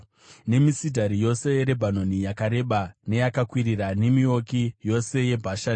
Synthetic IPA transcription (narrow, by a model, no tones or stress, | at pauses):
ne̞misidʱaɾijo̞se̞ɾe̞bʱano̞nijakaɾe̞ɓane̞jakakwiɾirane̞mio̞kijo̞se̞je̞bʱaʃa